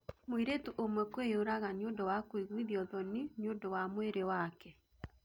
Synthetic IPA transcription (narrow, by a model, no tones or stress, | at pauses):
moiɾetuʔomwɛkoeoɾaɣaɲjondɔwakwiɣwiðiɔðɔniɲjondɔwamoeɾewakɛ